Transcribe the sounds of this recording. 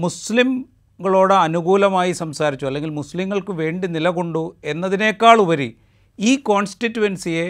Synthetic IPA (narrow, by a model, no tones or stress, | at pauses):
muslim | ɡɐɭo̞ːɽeɐnuɣuːlɐmaːjisɐmsaːɾit͡ɕːuɐlːe̞ŋɡilmusliŋːɐɭkɨʋe̞ːɳɖinilɐɣo̞ɳɖue̞nːɐðine̞ːkːaːɭuʋɐɾi | iːko̞ːnsʈitːuʋɐnsije